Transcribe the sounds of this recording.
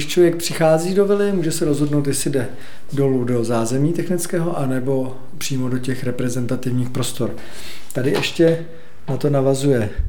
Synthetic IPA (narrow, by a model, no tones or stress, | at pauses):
ɪʃt͡ʃlovjɛk̚pr̝̥ɪxaːziːdo̞vɪlɪmuːʒɛsɛɾo̞zɦo̞dno̞wt̪jɛsɪdɛ | do̞ludo̞zaːzɛmiːt̪ɛxnɪt͡skɛːɦoʔanɛbo̞ | pr̥iːmo̞do̞cɛxɾɛpɾɛzɛnt̪at̪ɪvɲiːxpɾo̞st̪o̞ɾ | t̪adɪʔɛʃcɛ | nat̪o̞navazujɛ